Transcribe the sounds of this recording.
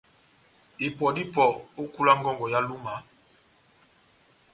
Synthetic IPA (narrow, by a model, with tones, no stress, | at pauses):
i˨pɔ˨di˦pɔ˨o˦ku˦la˦ŋɡɔ˦ŋɡɔ˨ja˦lu˦ma˨˦